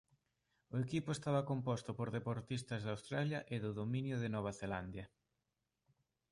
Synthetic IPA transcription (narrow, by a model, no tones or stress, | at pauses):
ʊekipʊest̪aβɐkompɔst̪ʊpoɾðepoɾt̪ist̪ɐzðawst̪ɾaljɐʔɪðʊðomĩnjʊðɪnɔβ̞aθeland̪jɐ